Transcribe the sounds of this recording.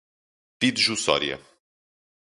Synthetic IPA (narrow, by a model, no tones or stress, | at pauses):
pid̪ʒusɔ̰ɾjɐ̰